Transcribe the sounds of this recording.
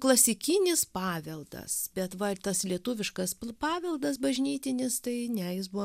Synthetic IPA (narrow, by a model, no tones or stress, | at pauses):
klˠɐsʲɪkʲɪnʲɪspɑːʋʲɛlˠd̪ɐ̰sbʲɛt̪ʋɐt̪ɐslʲiɛt̪uːʋʲɪʃkɐspɑːʋʲɛlˠd̪ɐsbɐʒʲnʲiːt̪ʲɪnʲɪst̪ɐɪnʲɛjɪs̬bu